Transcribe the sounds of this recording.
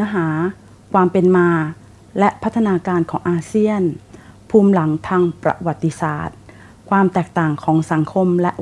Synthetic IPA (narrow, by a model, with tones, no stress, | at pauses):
ɦaː˩˦ | kʰwaː˧mpe˧nmaː˧ | lɛ˦˥ʔpʰa˦˥t̪ʰːa˧naː˧kaː˧nkʰɔː˩˦ŋʔaː˧si˥˩ənpʰuː˧mla˩˦ŋt̪ʰaː˧ŋpɾa̰˧wa˨˩t̪ːi˧sa̰ː˨˩t̪̚ | kʰwaː˧mt̪ɛː˨˩k̚t̪aː˨˩ŋkʰɔː˩˦ŋsa˩˦ŋkʰo˧mlɛ˦˥ʔ